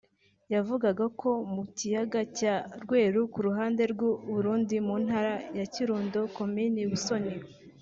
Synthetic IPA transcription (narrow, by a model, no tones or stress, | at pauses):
javuɡaɡakʰo̞mucijaɡacaɾɡwe̞ːɾukuɾuɦaːnde̞ɾɡwuβuɾuːndimunhaɾajaciɾuːndo̞ko̞miniβuso̞ɲewe